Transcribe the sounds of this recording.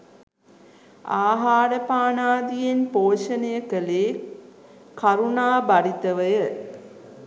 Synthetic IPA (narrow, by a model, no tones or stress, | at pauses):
aːɦaːɾəpaːnaːd̪ijenpoːʃənəjəkəleː | kaɾunaːbaɾit̪əʋəjə